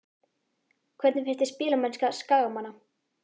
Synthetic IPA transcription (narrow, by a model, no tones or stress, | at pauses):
kʰvɛɾt̪nɪfɪr̥t̪ɪspiːlamɛnskaskaːɣamanːa